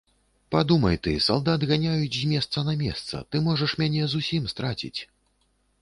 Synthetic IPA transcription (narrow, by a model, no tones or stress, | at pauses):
pad̪umɐjt̪ɨ̰sa̰lˠd̪ad̪ɣanʲajut͡sʲzʲmʲɛst̪sɐnɐmʲɛ̰st̪sɐ̰t̪ɨmɔʐɐʂmʲanʲɛzusʲimst̪ɾat͡sʲḭt͡sʲ